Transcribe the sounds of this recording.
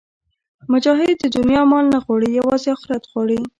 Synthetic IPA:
mʊd͡ʒɑɦɪd̪̚ːəd̪ʊnjɑmɑlnaɣwɑɽijawɑzeɑxʊɾat̪ɣwɑɽi

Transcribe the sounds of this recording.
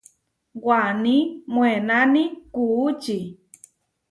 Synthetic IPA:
wanimwenanikuːt͡ʃi

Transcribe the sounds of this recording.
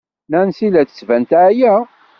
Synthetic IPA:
nænsilæθə̥svænt̪ʕjæ

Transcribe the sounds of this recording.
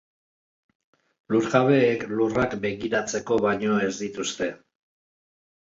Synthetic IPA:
luɾɣaβe̞ːklurakbe̞ɣiɾat͡se̞ko̞βajɲo̞e̞zd̪it̪ust̪e̞

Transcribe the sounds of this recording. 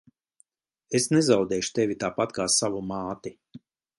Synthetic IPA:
esnezawd̪ɛːʃu̥t̪evʲit̪aːpat̪kaːsavumaːt̪i

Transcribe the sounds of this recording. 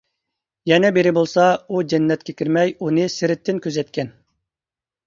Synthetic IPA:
jɛnɛbeɾɪbolˠsɑud͡ʒɛnːɛt̪̚kʲekʲiɾmɛjunɨsɪɾɪt̪ːɪnkʲʰøzɛt̪̚kʲɛn

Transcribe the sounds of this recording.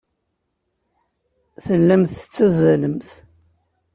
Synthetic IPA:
θəlːəmθət͡sːæzələmθ

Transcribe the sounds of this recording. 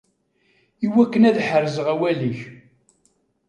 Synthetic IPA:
iwækːənæðħərːəzəʁæwæliç

